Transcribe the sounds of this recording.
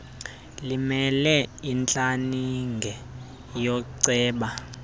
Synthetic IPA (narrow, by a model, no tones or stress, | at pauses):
limɛlɛint͡ɬʼaniŋɡʱɛ | jɔǀɛːɓa